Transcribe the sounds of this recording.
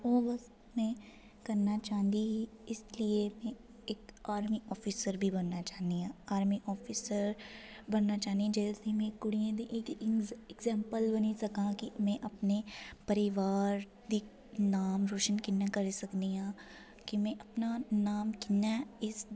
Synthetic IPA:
oːʋəs | mẽː | kəɾnaːt͡ʃãːnd̪iɪsliemẽ | ɪkaːɾmiːʔɔːpʰiːsəɾbʱibənːaːt͡ʃaːnd̪iãːaːɾmiʔɔːpʰisəɾbənnaːt͡ʃaːnd̪iãd͡ʒɛːsimẽːkʊɽijãːd̪iʔɪkɪkzɛ̃ːmpəlbənisəkãːkimẽːʔəpnepəɾɪʋaːɾ | d̪iː | naːmɾoːʃənkɪnːãkəɾesəkd̪iɦãː | kimẽːʔəpnanaːmkɪnːaɪs

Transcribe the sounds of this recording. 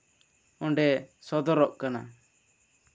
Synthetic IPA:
ɔ̃ɳɖɛsɔd̪ɔɾɔʔkana̰

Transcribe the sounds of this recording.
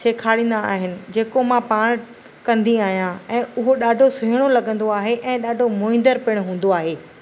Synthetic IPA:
seːkʰaːɽĩːn̆d̪aa̰ːɦɪnɪ̆d͡ʑeːkomãpaːɽ̃ | kɐ̃nd̪iaːɦijãɛ̃ːʊɦoɗaːɖʱosɪɦɪɽ̃olɐɠə̃nd̪oaːɦeʔɛ̃ːɗaːɖʱomʊːɪ̃nd̪əɾpɪɽ̃ɦũːn̆d̪oaːɦeː

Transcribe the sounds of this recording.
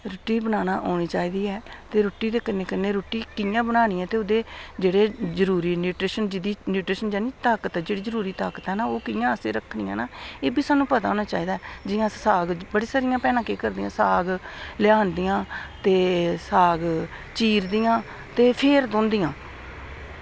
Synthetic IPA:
ɾʊʈːiːbənaːnaːʔoːñiːt͡ʃaːiːd̪iːɛːt̪eːɾoːʈːiːd̪eːkəneːkɪnːeːɾoːʈːiːkɪjãːbənaːniːɛ̃ːt̪eːʊd̪eːd͡ʒeːɽeːzəɾuːɾiːnjuːʈɾeːʃənd͡ʒɪd̪iːnjuːʈɾeːʃənd͡ʒaːniːt̪aːkət̪ɦɛːd͡ʒeːɽiːzəɾuːɾiːt̪aːkət̪ɦɛːnaːoːkɪjãːəseːɾəkʰːniːã̰ːnaːeːbiːsaːnːũːpət̪aːoːnaːt͡ʃaːiːd̪aːɛd͡ʒɪjãːsaːɡbəɽeːsaɾɪjãːpɛːnãːkeːkəɾd̪ijã̰ːsaːɡlɪaːnd̪ijãːt̪eːsaːɡ | t͡ʃiːɾd̪iːjãː | t̪eːpʰeːɾd̪õːnd̪ɪjãː

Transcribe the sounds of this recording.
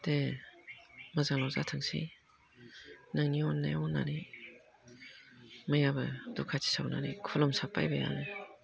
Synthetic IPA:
de | mazaŋlawzatʰɯŋsḭ | naŋniɔnːajɔna̰ɾi | majabɯdɔkʰatʰi̥sawna̰ɾikʰɔlɔmsapa̰jbeja̰nɯ

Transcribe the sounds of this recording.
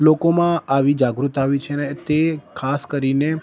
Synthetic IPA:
lokomãaʋid͡ʒaɡɾut̪aʋit͡ʃʰenet̪ekʰaskəɾine

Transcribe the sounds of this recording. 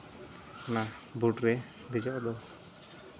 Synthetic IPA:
nabuʈɾɛ | d̪ɛd͡ʒɔʔɔd̪ɔ

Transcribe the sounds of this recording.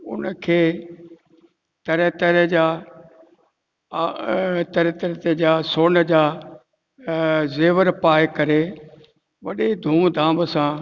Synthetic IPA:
ʊ̰nəkʰeː | t̪ɐɾɛt̪əɾəd͡ʑaː | t̪ɐɾɛt̪əɾt̪ed͡ʑaːsoːnəd͡ʑaː | zeːʋəɾpaːjkɐɾe | ʋɐɗed̪ʱuːmd̪ʱãːməsã

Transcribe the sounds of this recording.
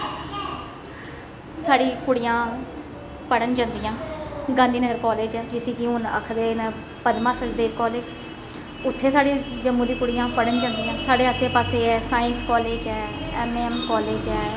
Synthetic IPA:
saːɽiːkʊɽijãː | pəɽənd͡ʒãːnd̪ijãːɡãːnd̪iːnəɡəɾkɔːleːd͡ʒɛːd͡ʒɪsiːkiɦʊnə̰kʰd̪eːn | pəd̪mãːsəd͡ʒd̪eːɾkɔːleːd͡ʒ | ʊt̪ʰːeːsaːɽiːd͡ʒəmːũːd̪iːkʊɽɪjãːpəɽənd͡ʒãːnd̪ijãːsaːɖeːəseːpaːseːɛːsaːɪ̃nskɔːleːd͡ʒɛːɛːmeːɛmkɔːleːd͡ʒɛː

